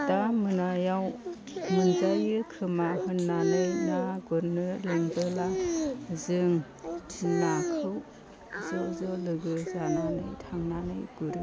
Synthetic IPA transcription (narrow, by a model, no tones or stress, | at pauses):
damɯnajaw | mɯnzajɯkʰɯmahɯnːanɯjnaɡɔɾnɯleŋbɯlazɯŋ | tʰinːakʰɯw | zɔzɔlɯɡɯzananɯjtʰaŋnanɯjɡ̥uɾɯ